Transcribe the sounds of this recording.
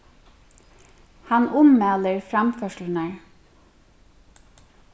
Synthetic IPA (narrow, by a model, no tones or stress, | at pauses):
hɑnʊmmæːləɹfɾɑmfœʃlənæɹ